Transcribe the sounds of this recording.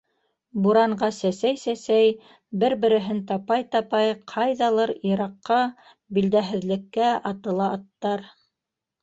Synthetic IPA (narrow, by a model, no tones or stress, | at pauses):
buɾɑɴɢɑsæsæjsæsæj | bɘɾbɘ̆ɾɘ̆ɦɘnt̪ɑpɑjt̪ɑpɑjqʰɑjðɑlˠɤɾiɾɑqːɑ | bild̪æɦɘ̆ðlɘ̆kːæɑt̪ɤ̆lˠɑːt̪ːɑɾ